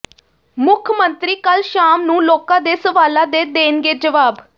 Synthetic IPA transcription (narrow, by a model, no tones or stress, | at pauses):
mʊkʰmənt̪ɾiːkəlʃaːmnũːloːkãːd̪eːsəʋaːlãːd̪eːd̪eːnɡeːd͡ʒəʋaːb